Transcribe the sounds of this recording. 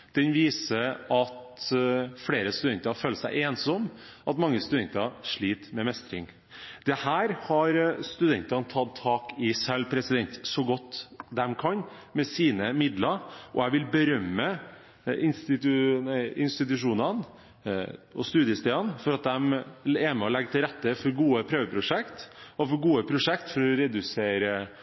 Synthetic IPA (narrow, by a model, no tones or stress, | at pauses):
d̪̥ɛnʋiːsəɑt̪ | fɽeːɾəst̪ʉd̪ɛnt̪ɑføːləsæɪʔeːnsɔm | ʔɑt̪mɑŋːəst̪ʉd̪ɛnt̪ɑʂɭiːt̪mɛmɛst̪ɾɪ̰ŋ | d̪̥ɛhæːɾhɑɾst̪ʉd̪ɛnt̪ɑnt̪ʰɑd̪̚t̪ʰːɑːkɪsɛlpʰɾɛsɪd̪ɛnt̪sɔɡɔt̪ːd̪ɛmkʰɑnmɛsiːnəmɪd̪lɑɾʔɔ̰æɪʋɪlbəɾœmːə | ɪnst̪ɪt̪ʉɪnst̪ɪt̪̬ʉʂuːnɑn | ɔst̪ʉːd̪jəst̪eːɑnfɔɾɑt̪̚d̪ɛmɛmɛɔlɛɡːət̪ʰɪlɾɛt̪ːəfɔɾɡuːəpʰɾøːʋəpʰɾʊʂɛkt̪ɔfɔɾɡuːəpʰɾʊʂɛkt̪fɔɾɔɾɛd̪ʉseːɾə